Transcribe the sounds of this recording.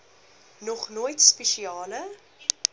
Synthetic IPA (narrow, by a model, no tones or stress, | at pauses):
nɔχnoːjtspɛʃiɑːlə